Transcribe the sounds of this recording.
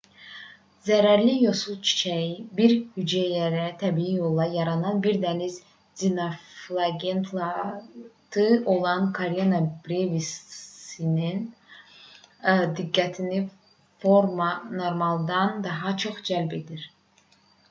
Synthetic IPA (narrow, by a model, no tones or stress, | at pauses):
zæɾæɾlijo̞sulˠt͡ʃʰi̥t͡ʃʰæjibiɾhyd͡ʒæjæɾæt̪ʰæbiijo̞lˠːɑjɑɾɑnɑnbiɾd̪æniz | d̪inoflˠɑɡent̪ʰlˠɑ | t̪ʰɯo̞lˠɑnkʰoɾjanɑbɾevisinin | d̪iɡːæt̪ʰini | foɾmɑno̞ɾmɑlˠd̪ɑnd̪ɑɦɑt͡ʃʰo̞χd͡ʒælbe̞d̪iɾ